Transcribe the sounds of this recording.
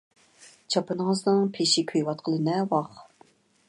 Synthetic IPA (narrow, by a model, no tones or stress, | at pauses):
t͡ʃʰɑpɨnəŋəznɨŋpʰeʃɪkʲʰøjwɑt̪̚qʰəlˠɨnɛwɑχ